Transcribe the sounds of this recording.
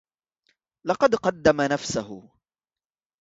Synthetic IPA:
lɑqɑd̪qɑd̪ːamanafsaɦʊ̰

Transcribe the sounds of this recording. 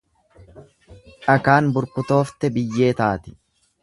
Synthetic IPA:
ʔɐkaːnbʊɾkʊt̪o̞ːft̪ɛbɪjːe̞ːt̪aːt̪ɪ̥

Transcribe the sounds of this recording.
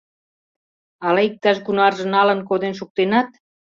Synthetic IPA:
ɑlɑik̚t̪ɑʃɡunɑrʒə̆nɑlənk̬od̪enʃ̬uk̚t̪enɑt̪̚

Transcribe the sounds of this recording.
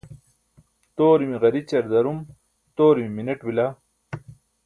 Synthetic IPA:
t̪oːɾimiʁɐɾit͡ɕɐɾd̪ɐɾum | t̪oːɾimiminɐʈwilaː

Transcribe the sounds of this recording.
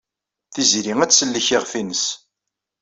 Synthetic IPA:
θizɾiŋæt͡sːsəlːəçɪʁfinəs

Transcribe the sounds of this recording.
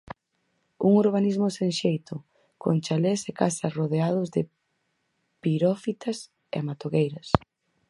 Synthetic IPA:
ṵŋuɾβanizmʊsenʃejt̪ʊ | ko̰ŋt͡ʃalesekasɐsroðeað̞ʊzðɪ | piɾɔfit̪ʰɐs | ḛamat̪oɣejɾɐs

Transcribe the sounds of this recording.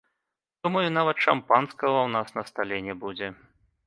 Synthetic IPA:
d̪̥umɐjunavɐt̪ʂampanskɐɣɐwnasnɐst̪alʲɛnʲɛbud͡zʲɛ

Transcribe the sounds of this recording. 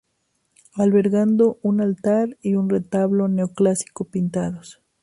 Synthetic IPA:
alβe̞ɾɣand̪o̞ʔunalt̪aɾiunre̞t̪aβlo̞neoklasi̥kopint̪aðos

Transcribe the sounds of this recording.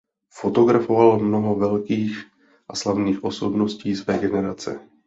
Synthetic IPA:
fo̞t̪o̞ɡɾafovalmno̞ɦo̞vɛlkiːx | ʔaslavniːxʔo̞so̞bno̞sciːsvɛːɡɛnɛɾat͡sɛ̰

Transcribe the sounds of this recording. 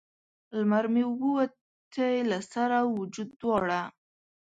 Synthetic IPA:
lmaɾmewuwa | t̪ʰəjlasaɾawʊd͡ʒud̪ːwɑɽa

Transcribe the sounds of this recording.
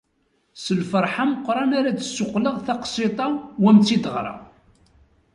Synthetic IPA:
səlfəɾˤħaməqːɾˤɑnaɾat͡sə̥sːʊqːləʁθɑqsit̪ˤɑwæmt͡sːid̪əʁɾˤɑ̰

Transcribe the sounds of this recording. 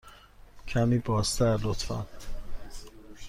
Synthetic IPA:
cʰæmiːbɒːst̪ʰæɾlot̪fæ̰n

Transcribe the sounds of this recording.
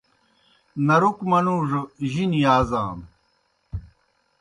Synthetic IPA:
nɐɾukmɐnuːʐʑinijaːzaːm

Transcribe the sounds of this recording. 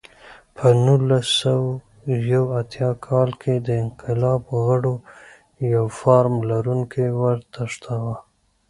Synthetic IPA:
pʰənulasaw | jawat̪jɑkʰɑlkʰed̪əɪnqɪlɑbɣəɽo | jawfɑɾmlaɾuŋkʰewəɾt̪aʂt̪ʰawa

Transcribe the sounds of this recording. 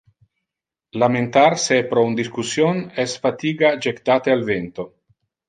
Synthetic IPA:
lament̪aɾsepɾɔund̪iskusjonɛsfat̪iːɡad͡ʒekt̪aːt̪ealvent̪o

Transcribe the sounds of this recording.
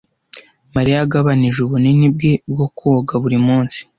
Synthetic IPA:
maɾijaɡaβaniʒuβuninib̚ɡe̞bɡo̞koɡaβuɾimuːnsi̥

